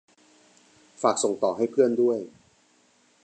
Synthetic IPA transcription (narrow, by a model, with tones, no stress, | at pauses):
faː˨˩k̚so˨˩˦ŋt̪ɔː˨˩ɦa˥˩jpʰɯ˥˩əndu˥˩əj